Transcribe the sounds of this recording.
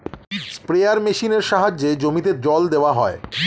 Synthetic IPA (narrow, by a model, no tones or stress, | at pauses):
spɾejaɾmeʃineɾʃaɦad͡ʑːed͡ʑomit̪eɾd͡ʑɔld̪eoaɦɔe